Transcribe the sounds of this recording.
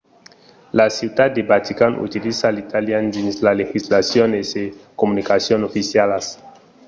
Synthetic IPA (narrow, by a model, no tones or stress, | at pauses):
lasiud̪at̪̚d̪ebat̪ikanṵt̪ilisalit̪aljand̪inslalexislasjonesekomunikasjonofisjalas